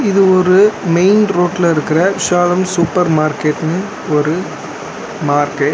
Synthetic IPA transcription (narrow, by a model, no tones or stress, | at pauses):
ɪðɯɔɾɯmeɪnɾoːʈːɪlɐɪɾɯkːɪɾɐʃaːlɐmsupːɐɾmaːɾkeʈːnɯ | ɔɾɯ | maːɾkeʈ